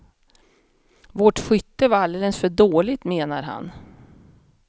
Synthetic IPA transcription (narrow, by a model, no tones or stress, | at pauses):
voʈɧʏt̪ːəvaalelɛnsfœɖoːlɪt̪meːnaɾɦa̰n